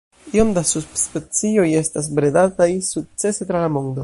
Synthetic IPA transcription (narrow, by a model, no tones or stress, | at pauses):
io̞mdasuspet͡sio̞je̞stas̬bɾedatajsuk̚t͡se̞se̞t̪ɾalamo̞nd̪o̞